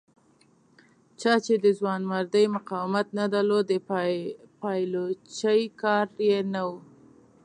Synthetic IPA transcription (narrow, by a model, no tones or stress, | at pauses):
t͡ʃɑt͡ʃed̪əzwɑnmaɾd̪əjmʊqɑwɪmat̪nad̪alod̪ | pɑjlot͡ʃəjkɑɾjenawu